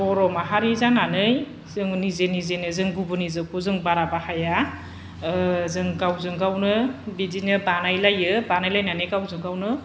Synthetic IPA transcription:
bɔɾɔmaɦaɾizananɯj | zɯŋnizenizenɯzɯŋɡubɯnizɯkʰuzɯŋbaɾabahaja | zɯŋɡawzɯŋɡawnɯbidinɯbanajlajɯbanajlajnanɯjɡawzɯŋɡawnɯ

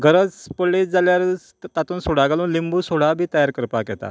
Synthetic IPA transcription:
ɡəɾət͡spolːid͡zaljaɾ | t̪at̪uːnsoɽ̤aɡaluːnlimbusoɽ̤abʱiːt̪əjaɾkəɾpakjɛt̪a̰

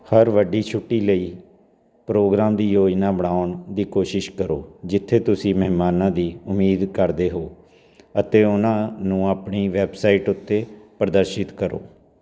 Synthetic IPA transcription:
həɾʋəɖiːt͡ʃʰʊʈːiːləiː | pɾoːɡɾaːmd̪iːjoːd͡ʒnãːbəɽaːʊɳd̪iːkoːʃɪʃkəɾoːd͡ʒɪt̪ʰːeːt̪ʊsĩːməɦmaːnãːd̪iːʊmiːd̪kəɾd̪eːɦoː | ət̪eːʊnãːnũːaːpɳiːʋɛːbsaːiːʈʊt̪ʰːeːpəɾd̪əɾʃɪt̪kəɾo̰ː

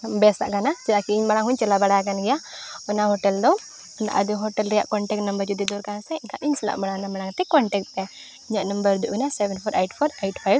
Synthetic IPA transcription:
bɛsa̰ʔkanat͡ʃɛlakiiɲmaɽ̃aŋɦuɲt͡ʃɛlabaɽajak̬anɡɛjaɔnaɦɔʈɛld̪ɔ | na̰ʔad̪iɦɔʈɛlɾɛja̰ʔkɔɳʈɛk̚ʈnɐmbəɾd͡ʒud̪id̪ɔɾkansɛiŋkaʔiɲsɛla̰ʔmaɽanamaɽaŋt̪ɛkɔɳʈɛk̚ʈt̪ɛ | iɲaʔnɐmbəɾd̪uʔunasɛbɛnpʰɔɾʔejʈpʰɔɾejʈpʰajb

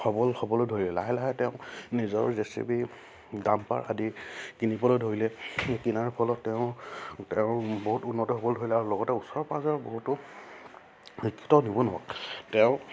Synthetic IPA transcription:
xɔbɔlxɔbɔlodʱoɹilɛlaɦɛlaɦɛtɛʊ̃nizɔ̰ɹzesḭbi | dampa̰ɹa̰dikinipɔlodʱoɹilɛkinaɹpʰɔlɔtːɛʊ̃tɛʊ̃boɦutunːɔtɔxɔbɔldʱoɹilɛaɹulɔɡɔtɛusɔɹpazɔɹbo̰ɦutʊ | xikʰːi̥tɔnibɔnʊwa̰ktɛʊ̃

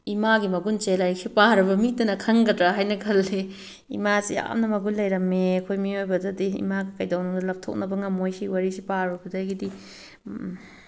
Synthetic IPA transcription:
imaɡimɐɡunt͡ʃelaɾiksipaɾɐbɐmitɐnɐkʰɐŋɡɐdɾaɦajnɐkʰɐlːe | ḭmasija̰mnɐmɐɡunlɐjɾɐmeɐkʰojmiojbɐdɐdiḭmaɡikɐjdɐwnuŋdɐlɐp̚tʰo̰k̚nɐbɐŋɐmojsiwɐɾisipaɾubɐdɐjɡidi

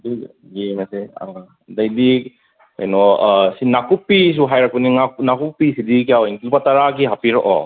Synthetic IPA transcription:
di | ɡemasea | dajdi | ka̰jnɔsinakupːis̬uɦajɾak̚puniŋaknakupːisidik̬ijawinkilupataɾakiɦapiɾɔʔɔ̰

